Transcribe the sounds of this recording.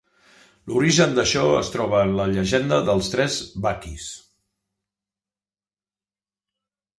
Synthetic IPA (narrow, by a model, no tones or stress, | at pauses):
luɾiʒənd̪əʃɔə̰st̪ɾɔβ̞əːnləʎəʒɛnd̪əðəlˠst̪ɾɛzβakis